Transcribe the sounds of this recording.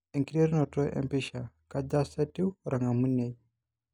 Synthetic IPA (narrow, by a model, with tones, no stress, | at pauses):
e˨ŋki˦ɾe˦ɾi˦nɔ˨tɔ˦ʔɛ̰˨mpi˦ʃa˨ | ka˦d͡ʒa˦sɛ˦ti˦ɾa˨ŋɡa˨mu˦nɛ˨